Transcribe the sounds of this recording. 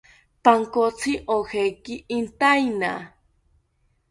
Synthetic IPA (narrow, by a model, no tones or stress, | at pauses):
paŋkot͡sʰiʔohekiʔint̪ajna